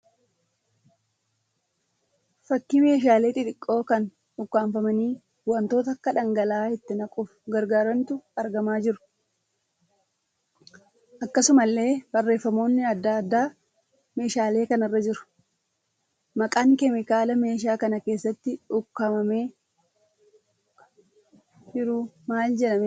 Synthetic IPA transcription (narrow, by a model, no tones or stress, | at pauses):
fɐkːime̞ːʃ̬aːle̞ːt̪ʼɪᶑ̪ɪkʼːo̞ːkɐn | ʊkːaːɱfɐmɐniː | ʊwɐnt̪o̞ːt̪ɐkːɐᶑɐŋɡɐlaːɛt̪ːɪnɐkʼʊfʊ̥ɡɐɾɡaːɾɐnt̪ʊɐɾɡɐmaːd͡ʒɪɾʊ̥ | ʔɐkːɐsʊmɐlːe̞ːb̥ɐrːe̞ːfːɐmo̞ːnːɪɐd̪ːad̪ːaː | me̞ːʃaːle̞ːkɐnɐrːɐd͡ʒɪɾʊ̥ | mɐkʼaːŋkɛmɪkaːlɐme̞ːʃ̬aːkɐnɐke̞ːsːɐt̪ːɪʊkːɐmɐmeː | d͡ʒɪɾʊmaːld͡ʒɛᶑɐm